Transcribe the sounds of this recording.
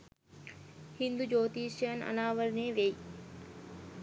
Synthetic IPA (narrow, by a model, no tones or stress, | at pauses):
hind̪ud͡ʒoːt̪iːʃənə̰naːʋəɾneʋei